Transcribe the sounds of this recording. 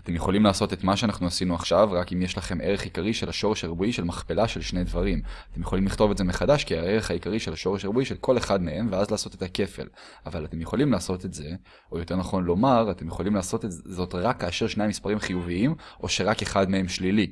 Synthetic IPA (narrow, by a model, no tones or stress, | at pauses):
at̪e̞mjeχo̞limlaːso̞te̞tmaʃeanaχnuasinuaχʃavʁakimjeʃlaχe̞mʔe̞ʁeχikaʁiʃe̞laʃo̞ʁeʃaʁbuiʃe̞lmaχpe̞laʃe̞lʃne̞jdvaʁimat̪e̞mjeolimliχto̞vetzemeχadaʃkiaeʁeχaikaʁiʃe̞laʃo̞ʁeʃaʁbuiʃe̞lkʰo̞le̞χadme̞e̞mveazlaːso̞tetake̞fe̞̰l | avalate̞mjeχo̞limlaːso̞tetze̞ | ojo̞te̞ʁnaχo̞nlo̞maʁate̞mjeχo̞limlaːso̞tezo̞tʁakːaːʃe̞ʁʃnejmispaʁimχijuviimʔo̞ʃe̞ʁake̞χadmehe̞mʃlili